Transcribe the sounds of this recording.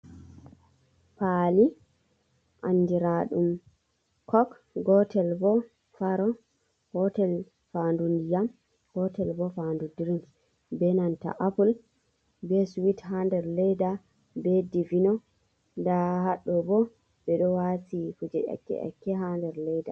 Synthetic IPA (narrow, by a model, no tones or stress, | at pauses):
paːli | ʔand͡ʒiɾaɗum | kʰɔk | ɡɔtɛlbɔ | faɾɔ | ɡɔtɛl | fandundijam | ɡ̥ɔtɛlbɔfandudiɾin | bɛnanta̰ʔapul | bɛsuwitɦandɛɾlɛjda | bɛdivinɔ | ndaɦaɗːɔbɔ | bɛɗɔwatifud͡ʒɛʔɛ̰kːɛ̰ʔɛ̰kːɛɦandɛɾlɛjda